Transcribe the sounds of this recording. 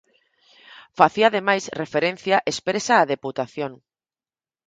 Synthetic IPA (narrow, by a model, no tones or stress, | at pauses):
faθiaðemajsrefeɾenθjaʔespɾesaːðeput̪aθjoŋ